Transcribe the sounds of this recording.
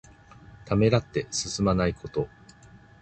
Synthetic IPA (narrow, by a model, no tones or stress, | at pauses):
t̪ame̞ɾat̪ːe̞sɨsɨmanaikʰo̞t̪o̞